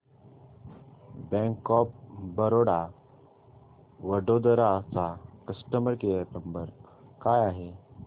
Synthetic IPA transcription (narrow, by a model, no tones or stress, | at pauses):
bɛ̃ŋkɔp̚bəɾoɽa | ʋəɖod̪əɾaːsakəsʈəməɾkejənəmbəɾkajaɦe